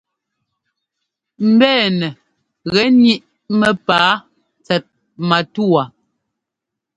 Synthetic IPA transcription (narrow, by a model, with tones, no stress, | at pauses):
m̩˨bɛː˦˨nɛ˨ | ɣɛ˨˦ni˦ʔ | mɛ˨paː˨˦ | t͡sɛ˨t̚ | ma˨tu˦a˨